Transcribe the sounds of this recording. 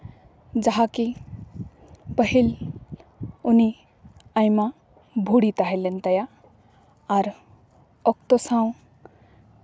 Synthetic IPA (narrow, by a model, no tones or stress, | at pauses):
d͡ʒaɦaki | pəɦil | uni | ajma | bʱuɽit̪aɦelent̪əja | aɾ | ək̚t̪osãw̃